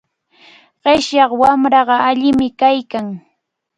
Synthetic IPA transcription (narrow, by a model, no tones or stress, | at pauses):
ɢeʃjɑχwamɾɑɢɑaʎɪmɪkajkaŋ